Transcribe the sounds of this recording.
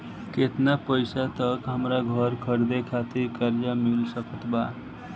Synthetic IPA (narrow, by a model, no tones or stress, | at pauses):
ket̪napəɪsat̪əkɦəmɾaɡʱəɾkʰəɾd̪ekʰat̪ikəɾd͡ʒamilsəkət̪ba